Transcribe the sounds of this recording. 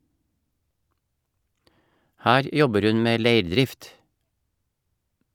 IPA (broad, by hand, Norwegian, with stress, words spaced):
ˈhæːɾ ˈjɔbəɾ ˈʉn ˈmeː ˈleɪɾˌdɾɪft